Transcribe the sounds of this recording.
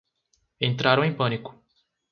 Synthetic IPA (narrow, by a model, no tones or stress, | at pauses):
ẽnt̪ɾaɾɐ̃w̃ẽj̃pɐ̃nikʊ̥